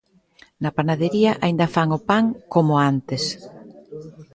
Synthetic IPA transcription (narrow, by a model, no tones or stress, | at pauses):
napanaðeɾiaʔaind̪afaŋopaŋkomoant̪es